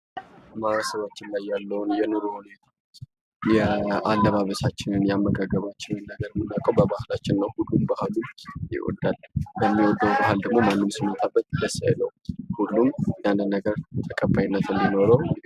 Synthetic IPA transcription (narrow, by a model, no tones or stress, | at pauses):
amaɾasəβat͡ʃːɪnlajːalːəwʊnjɛnɨɾuhune | jɛalːəβaβəsat͡ʃːɪnɨnjamːəɡaɡːəβat͡ʃːɪnɨnːəɡəɾmɨnːakʼəwbəbahlat͡ʃːɪnːəwhulːumbahlumjɪ̰ʔɔ̰d̪albəmːiwɔd̪ːəwbahald̪əɡmo̞manːɨmsimːət̪ʼabːət̪ləsːa̰jləwhulːumjand̪ɨnːəɡəɾt̪ʼəkʼəbːajinːət̪ʰɨnd̪ino̞ɾəw